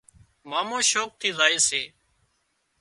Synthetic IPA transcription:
maːmõːʃoːk̚t̪ʰiːzaːeːseː

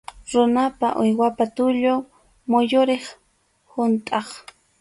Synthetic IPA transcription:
ɾʊnapaʔʊjwapat̪ʊʎoŋ | mʊjʊɾeχ | hʊnt̪ʼɑχ

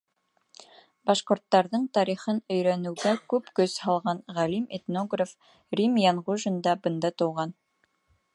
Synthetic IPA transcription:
bɑʃqŏɾt̪ːɑɾðɤɴt̪ɑɾiχɤnɵ̆jɾænɘ̆wɡækʉpkɵzhɑlˠʁɑnʁælimet̪noɡraf | rʲimjanʁuʒɤ̆nd̪ɑbɤ̆nd̪ɑt̪ŏwʁɑn

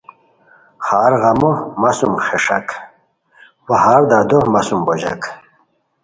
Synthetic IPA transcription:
χaːɾɣɐmomasumχeʂa̰k | wahaɾd̪ad̪ohmasumbod͡ʑa̰k

